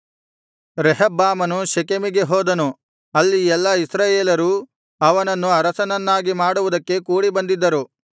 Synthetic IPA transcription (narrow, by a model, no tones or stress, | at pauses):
ɾeɦɐbːaːmɐnuʃekemiɡe̞ɦoːd̪ɐnu | ɐlːiɛlːɐisɾaːjeːlɐɾu | ɐʋɐnɐnːuɐɾɐsɐnɐnːaːɡimaːɽuʋud̪ɐkːe̞kuːɽibɐnd̪id̪ːɐɾu